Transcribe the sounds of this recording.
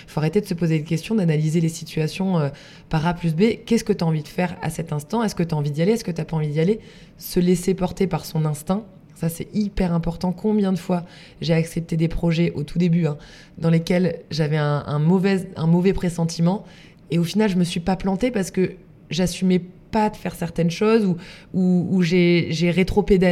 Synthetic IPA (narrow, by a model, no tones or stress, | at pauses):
foaʁet̪ed̪əsəpozeykʲɛst̪jɔ̃d̪analizelesit̪ɥasjɔ̃ø | paʁaplys̬bekʲɛskət̪yaɑ̃vid̪əfɛʁa̰sɛt̪ɛ̃st̪ɑ̃ɛskət̪yaɑ̃vid̪jaleɛskət̪yapaɑ̃vid̪jale | səlesepɔʁt̪epaʁsɔ̃nɛ̃st̪ɛ̃ | sasɛ̰ipɛʁɛ̃pɔʁt̪ɑ̃kʰɔ̃bjɛ̃d̪əfwa | ʒeaksɛp̚t̪ed̪epχɔʒɛʔot̪ʰud̪ebyɛ̃ | d̪ɑ̃lekʲɛlʒavɛɛ̃ɛ̰̃mɔvɛɛ̰̃mɔvɛpχesɑ̃t̪ʰimɑ̃ | eofinalʒəməsɥipaplɑ̃t̪epaʁsə̥kə | ʒasymɛpad̪əfɛʁsɛʁt̪ɛnʃozuuːʒeʒeʁet̪χoped̪a